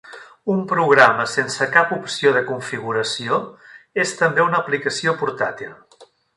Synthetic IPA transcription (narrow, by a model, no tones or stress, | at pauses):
umpɾuɣ̞ɾaməsensəkapupsioðəkuɱfiɣ̞uɾəsioest̪əmbeunəːplikəsiopuɾt̪at̪ilˠ